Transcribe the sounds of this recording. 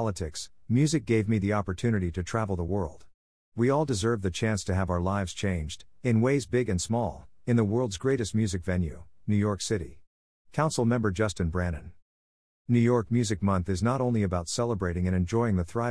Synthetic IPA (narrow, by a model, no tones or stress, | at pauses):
lˠətʰɪksmjʉzɨk̚ɡ̥eɪvmiðiɑpə˞tʰʉnɨɾiɾɨtʰɹ̥ævl̩ˠðəwɜ˞lˠd̥ | wiɔlˠdɨzɜ˞vðɨt͡ʃʰæ̃nstʰɨːvaʊə˞laɪvz̥t͡ʃʰẽɪ̃nd͡ʒdɨ̃nweɪzbɪɡɨ̃nsmɔlˠɨ̃nðəwɜ˞lˠdzɡɹeɪɾɨst̚mjʉzɨkv̥ɛ̃njʉ̰nʉjɔɹksɪɾḭ | kʰãʊ̃nsl̩ˠmɛ̃mbə˞d͡ʒʌstɨ̃nbɹæ̃ñɨ̃n | nʉjɔɹk̚mjʉzɨk̚mʌ̃nθɨznəɾõʊ̃nliɨbaʊtsɛlˠəbɹeɪɾɪ̃ŋɨ̃ñɨ̃nd͡ʒɔɪɪ̃ŋðɨθɹaɪ